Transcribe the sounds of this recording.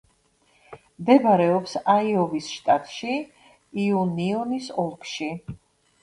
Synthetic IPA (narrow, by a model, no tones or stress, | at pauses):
md̪ɛbaɾɛɔpsaiɔvisʃt̪ʼat̪ʼʃi | iuniɔnisɔlˠkʰʃi